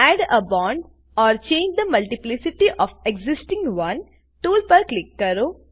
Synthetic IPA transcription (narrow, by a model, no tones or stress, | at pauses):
æːɖəbɔ̃ːɳɖ | ɔːɾt͡ʃẽːɲd͡ʒd̪əmɐlʈɪplɪsɪʈiʔɔːʋeɡzɪsʈɪ̃ŋɡʋɐ̃n | ʈuːlpəɾklɪkːɐɾoː